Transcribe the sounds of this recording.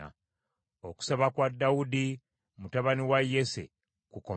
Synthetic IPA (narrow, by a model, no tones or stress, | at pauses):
a̰ | oku̥saβakwadːawudi | mutaβaniwajːesḛ | kuko